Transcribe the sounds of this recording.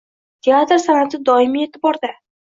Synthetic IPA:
t̪ʰeat̪ɾsanat̪ɪd̪ɒɪmijet̪ʰɪbɒɾd̪a

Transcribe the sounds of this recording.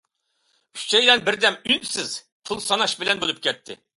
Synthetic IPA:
yt͡ʃt͡ʃʰɛjlɛnbɪɾd̪ɛmynsɪz̥ | p̪ʰɨlˠsɑnɑʃbɪlɛnbolˠɨp̚kʲɛt̪ʰːɪ̰

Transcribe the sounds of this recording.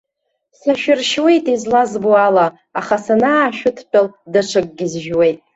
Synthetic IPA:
saʃᶣʊrʃwe̞jtʼizlazboalaː | χasanaːʃᶣʊtʰpʲʼaldaʈ͡ʂʰɨkʼɡʲɪzʒwe̞jtʼ

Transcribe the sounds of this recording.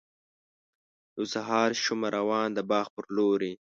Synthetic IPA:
usaɦɑːɾʃʊmaɾawɑːnd̪əbɑːxpəɾloːɾi

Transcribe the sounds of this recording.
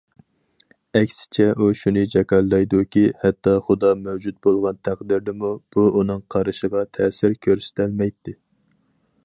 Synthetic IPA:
ɛkʲsɪ̥t͡ʃʰɛʔuʃunɨd͡ʒɛkʲɑlːɑjd̪ukʲihɛt̪ːɑχʊd̪ɑmɛwd͡ʒut̪̚bolˠʁɑnt̪ʰæqd̪ɪɾd̪ɪmub̥uunɨŋqʰɑɾɨʃəʁɑt̪ʰɛsɪɾkʲʰøɾsɪ̥t̪ʰælmɛjt̪ːɪ

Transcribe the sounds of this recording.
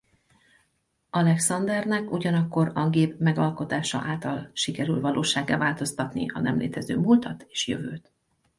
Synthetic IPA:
ɒlɛksɒnd̪ɛrnɛkuɟɒnɒkːo̞ɾɒɡeːpmɛɡɒlko̞t̪aːʃɒ̰ʔaːlt̪ɒlʃikɛɾylvɒloːʃaːɡːaːvaːlt̪o̞st̪ɒt̪nḭɒnɛmlḛːt̪ɛzøːmult̪ɒt̪e̥ːʃjø̰vøːt̪

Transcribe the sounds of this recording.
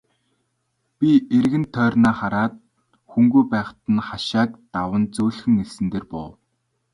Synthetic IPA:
pʲierɣɘ̆nt̪ʰːœːrnaːχaɾaːt̪̚ | xuŋɡujpæːχt̪ə̆nχaʃaːk̚t̪awə̆nt͡sɵːɮxɘ̆ŋesɘ̆nt̪eːrpɔw

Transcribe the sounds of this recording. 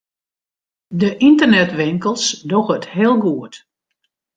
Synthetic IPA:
dəʔintərnɛtʋɪŋkəlˠsdoɣəthɪəlˠɡuət

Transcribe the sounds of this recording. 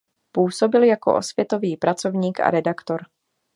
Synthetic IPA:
puːso̞bɪljako̞̰ʔo̞̰svjɛt̪o̞viːpɾʔat͡so̞vɲiːka̰ɾɛdakt̪o̞ɾ

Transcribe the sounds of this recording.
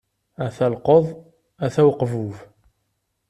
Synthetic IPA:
æθælqoðˤ | æθæwqvuv

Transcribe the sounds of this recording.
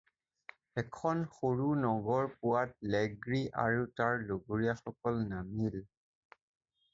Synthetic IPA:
ɛkʰɔnxoɹunɔɡɔɹpʊwat̚lɛɡɹiʔa̰ɹutaɹloɡuɹijaxɔkɔlnamil

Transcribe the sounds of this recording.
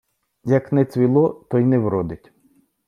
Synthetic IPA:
jɐknɛt͡sʲʋʲilˠɔt̪ɔjnɛwɾɔd̪ɪtʲ

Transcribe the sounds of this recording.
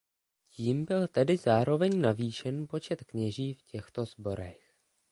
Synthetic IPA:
ciːmbɪlt̪ɛdɪzaːɾo̞vɛɲnaviːʃɛnpo̞t͡ʃɛt̪kɲɛʒiːfcɛxt̪o̞zbo̞ɾɛx

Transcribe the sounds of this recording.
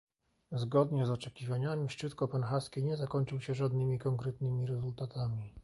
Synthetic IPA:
zɡɔd̪ɲɛzɔt͡ʂɛkʲivaɲamʲiʂt͡ʂɘt̪kɔpɛnxaskʲiɲɛzakɔɲt͡ʂɘwɕɛʐad̪nɘmʲikɔŋkɾɛt̪nɘmʲiɾɛzult̪at̪amʲi

